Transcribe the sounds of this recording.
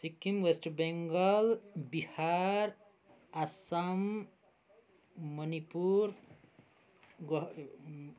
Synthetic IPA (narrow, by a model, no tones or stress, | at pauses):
sikːimwesʈbeŋɡʌlbihaɾ | asʌm | ʌnipuɾ | ɡ